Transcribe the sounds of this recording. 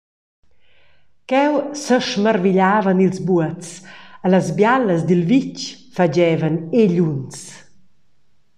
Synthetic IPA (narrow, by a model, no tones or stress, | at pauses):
kɛwsəʃmərviʎaːvanilzbuətt͡saləzbjaləzd̪ilvit͡ʃfad͡ʒɛvaneʎuns